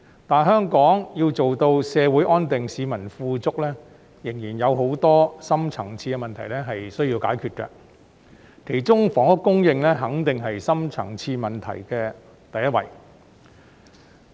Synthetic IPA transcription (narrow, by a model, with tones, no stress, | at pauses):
t̪aː˨nɦœː˥ŋkɔː˨˥ŋjiː˧wt͡so˨wt̪o˧wsɛː˨˧wuː˨˥jʔɔː˥nt̪ɪ˨ŋsiː˨˧mɐ˨˩nfuː˧t͡sʊ˥k̚lɛː˥ | jɪ˨˩ŋjiː˨˩njɐ˨˧wɦo˨˥wt̪ɔː˥sɐ˥mt͡sʰɐ˨˩ŋt͡sʰiː˧kɛ˧mɐ˨nt̪ʰɐ˨˩jlɛː˥ɦɐ˨jsɵ˥ɥjiː˧wkaː˨˥jkʰyː˧t̚kɛ̰˧ | kʰe˨˩jt͡sʊ˥ŋfɔː˨˩ŋʊ˥kːʊ˥ŋjɪ˧ŋlɛː˥ɦɐ˨˥ŋt̪ɪ˨ŋɦɐ˨jsɐ˥mt͡sʰɐ̰˨˩ŋt͡sʰiː˧mɐ˨nt̪ʰɐ̰˨˩jkɛː˧ | t̪ɐ˨jɐ˥t̚wɐ̰˨˩j